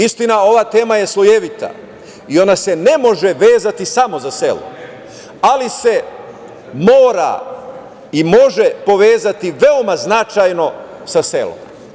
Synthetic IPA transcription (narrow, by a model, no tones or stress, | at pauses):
ist̪inao̞ʋaːt̪e̞ːmaje̞slˠojeʋit̪a̰ | io̞nase̞ne̞mo̞ʒe̞ʋe̞ːzat̪isamo̞zase̞̰lṵ | alise̞ | mo̞ːɾa̰ | imo̞ʒe̞po̞ʋe̞ːzat̪iʋe̞omaznat͡ʃajno̞ | sase̞̰lo̰m